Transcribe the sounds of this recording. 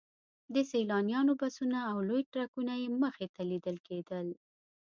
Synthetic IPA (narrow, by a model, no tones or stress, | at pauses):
d̪əselɑnjɑnobasunaːwlojʈɾakunajeməxet̪alid̪əlked̪əl